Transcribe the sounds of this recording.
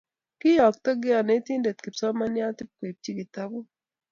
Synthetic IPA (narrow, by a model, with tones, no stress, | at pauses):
kɪ˦jɔ˨k̚t̪ɔ˦ɡɪ˦a˨ne˨˦t̪i˦nde˨t̪̚kɪ˨psɔ˦ma˦nja˦t̪ɪ˦p̚kwe˨p̚t͡ʃi˦ɡi˨t̪a˦bu˦